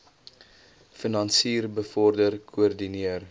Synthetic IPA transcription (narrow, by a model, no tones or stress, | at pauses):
finɐnsiːrbəfɔrdərkʰuərdiniər